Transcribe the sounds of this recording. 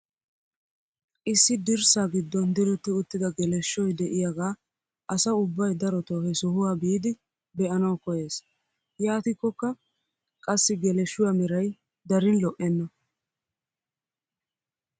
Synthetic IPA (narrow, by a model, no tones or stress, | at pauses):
ʔɪsːɪd̪ɪɾsaɡɪd̪ːɔnd̪ɪlʊt̪ːɪʊt̪ːɪd̪ɐɡɛlɛʃːɔjd̪ɛʔɪjaɡaː | ʔɐsɐʊbːɐjd̪ɐɾɔt̪oːhɛsʊhʊwaːbiːd̪ɪ | bɛʔɐnɐwkɔje̞ːs | jaːt̪ɪkːɔkːɐ | kʼɐsːɪɡɛlɛʃːʊwaːmɛɾɐj | d̪ɐɾɪnlɔʔɛnːɐ